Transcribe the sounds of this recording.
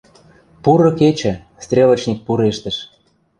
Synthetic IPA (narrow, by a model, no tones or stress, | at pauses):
puɾɤ̆ket͡ɕɘ̆ | st̪rʲelə̆t͡ɕnʲik̚puɾeʃt̪ə̆ʃ